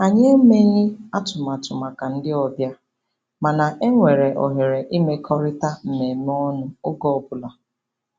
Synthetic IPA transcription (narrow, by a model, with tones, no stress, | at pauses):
a˨ɲe˦e˦me˦ɲɪ˦a˦tʊ˨ma˨tʊ˨ma˨ka˨n̩˦dɪ˦ɔ˨bja˦ | ma˨na˨ʔe˦ŋʷe˨ɾe˨ʔɔ̰˨ɦe˨ɾe˨ʔi˦me˦kʰɔ˦ɾɪ˦ta˦m̩˨me˨m˦ɔ˦nʊ˦ʊ˦ɡɔ˦˨bʊ˨la˨